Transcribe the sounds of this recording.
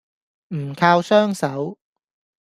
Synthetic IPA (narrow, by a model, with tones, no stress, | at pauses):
m̩˨˩kʰaː˧wsœː˥ŋsɐ˨˥w